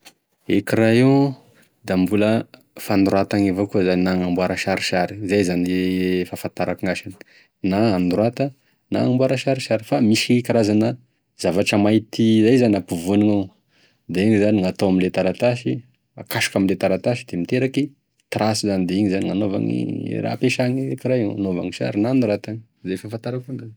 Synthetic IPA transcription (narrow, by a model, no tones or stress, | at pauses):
ekiɾaiw | d̪ambulə | fanɾat̪aŋivokuəzaninaŋambuaɾaʃaɾiʃaɾi̥zajzaniefafant̪aɾakiŋaʃani̥ | naːnd̪ɾwat̪ə | na̰ŋambuaɾaʃaɾiʃaɾifamiʃikaɾazanə | z̥avaʈ͡ʂəmajt̪izajzaniapuvuniŋaw | d̪eiŋizaniŋat̪awaminlet̪aɾat̪aʃi | akaʃu̥kaminlet̪aɾat̪aʃid̪emit̪eɾaki | t̪ɾʔasizanid̪eiŋizaniŋanova̰ŋḭɾa̰peʃaŋikiɾaja̰nova̰ŋiʃa̰ɾinanɾat̪aŋ | zafafant̪aɾakund̪a